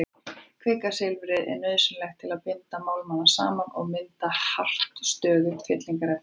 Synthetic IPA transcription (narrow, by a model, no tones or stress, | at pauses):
kʰvɪːkasɪlvʏɾɪðʔɛ̰ɾnœːðsʏnlɛxt̪̚ʰɪlaðpɪnt̪amaːwlmanḁsa̰ːmanɔɣmɪnt̪ahar̥t̪st̪œːðʏfjɛt̪liŋkaɾɛ